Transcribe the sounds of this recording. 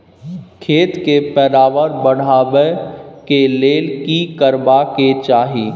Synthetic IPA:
kʰeːt̪kepɛɾaːʋəɾbəɽ̤aːʋekeleːlkikəɾbaket͡ʃaːɦiː

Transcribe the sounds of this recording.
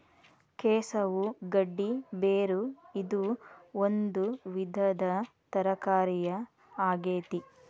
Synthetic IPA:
kɛːsɐʋuɡɐɖːibeːɾuid̪uond̪uʋid̪ʱɐd̪ɐ | t̪ɐɾɐkaːɾijɐ | aːɡeːt̪i

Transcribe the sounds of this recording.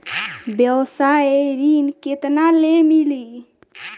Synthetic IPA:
bjəwsajeɾinket̪nalemili

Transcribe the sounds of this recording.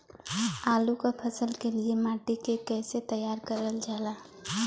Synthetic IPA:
alukəpʰəsəlkeliemaʈikekɛset̪əjaɾkəɾəld͡ʒala

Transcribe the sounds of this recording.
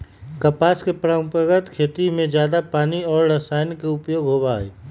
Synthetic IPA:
kɐpaːskepɾəmpəɾɡət̪kʰeːt̪imẽd͡ʒjaːd̪apaːniɔːɾɾəsaːjnikeʊpjoːɡɦoːbaːḛː

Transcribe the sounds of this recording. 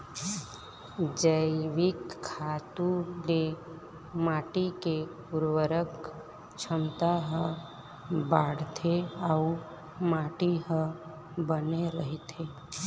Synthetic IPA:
d͡ʒəɪʋɪkʰːaːt̪ũle | maːʈike | ʊɾwəɾək | t͡ʃʰəmt̪aɦə̃ | baːɽt̪ʰeau | maːʈiɦə̃ | bəneɾəɦit̪ʰe

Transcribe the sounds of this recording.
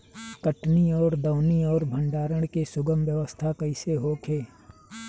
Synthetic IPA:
kəʈniɔːɾd̪əːniɔːɾbʱə̃ɳɖaːɾəɽ̃kesʊɡəmʋjəʋəst̪ʰakəɪseɦoːkʰeː

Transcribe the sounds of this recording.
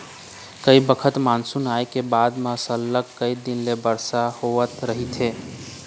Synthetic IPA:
kəibəkʰət̪mansunajkebad̪məsəlːəkkːəjd̪inlebəɾsahoʋət̪ɾəɦit̪ʰɦe

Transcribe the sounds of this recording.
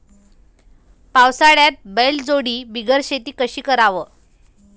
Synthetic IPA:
pawsaɽjat̪̚beld͡zoɽiːbiɡəɾɕet̪iːkəɕiːkəɾaʋə

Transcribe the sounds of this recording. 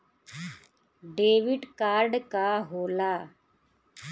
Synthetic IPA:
ɖeːʋɪɖkaːɾɖkaɦoːlaː

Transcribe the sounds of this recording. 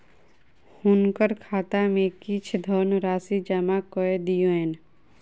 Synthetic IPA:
hʊnkəɾkʰaːt̪amẽkit͡ʃʰd̪ʱɔːnɾaːsid͡ʒəmakoed̪jueːn

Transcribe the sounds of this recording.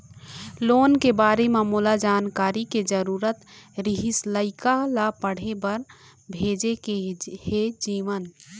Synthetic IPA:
loːnkebaːɾememoːlad͡ʒaːnkaːɾiked͡ʒəɾuːɾət̪ɾɪɦɪsləɪkalapəɽ̤ebəɾ | bʱeːd͡ʒekehed͡ʒiːʋən

